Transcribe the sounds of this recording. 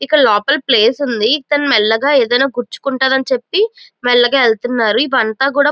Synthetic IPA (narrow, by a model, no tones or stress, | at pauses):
ikːɐloːpɐlple̞ːsund̪it̪ɐnmɛlːɐɡaːeːd̪ɐjnaːɡuɾt͡ʃu̥kuɳʈaːd̪ɐnit͡ʃepːimɛlːɐɡaːelt̪unːaːɾuip̬uɐnt̪aːk̬uːɽaː